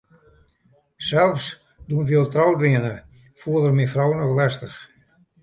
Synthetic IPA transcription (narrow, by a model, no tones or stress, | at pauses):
sɛlˠfs | duənfiəlˠtrawdriənə | fuəlˠdərmifrɔwnɔxlɛstəx